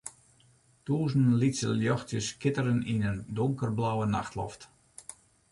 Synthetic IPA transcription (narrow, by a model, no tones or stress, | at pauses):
tuːzənlitsə̰ljɔxtjəskɪtəɾəninəndoŋkərblawəna̰xtʰlɔ̰ft